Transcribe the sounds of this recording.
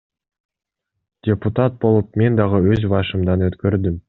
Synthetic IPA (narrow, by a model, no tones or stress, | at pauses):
d̥ʲeput̪at̪̚bo̞lˠup̚me̞nd̪ɑʁɯøzbɑʃɯmd̪ɑnøt̪kø̞ɾd̪ym